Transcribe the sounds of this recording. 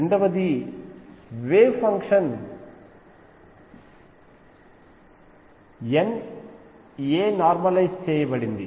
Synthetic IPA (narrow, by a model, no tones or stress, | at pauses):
ɾeɳɖɐʋɐd̪i | ʋeːpʰɐŋkʂɐn | en | eːnaːɾmɐlɐjst͡ʃɛːjɐbɐɽind̪i